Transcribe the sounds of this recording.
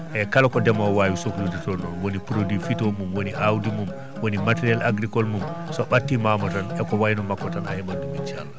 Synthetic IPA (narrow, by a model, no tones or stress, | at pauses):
ʔɛkalakɔdɛmawaːwisokluditɔnɔnwonipɾodifitomumwoniʔawdimum | wonimatɛɾalaɡɾikɔlmumsɔɓatːimamɔtanɛkɔwajnɔmakːɔtana̰hɛɓandumit͡ʃalːa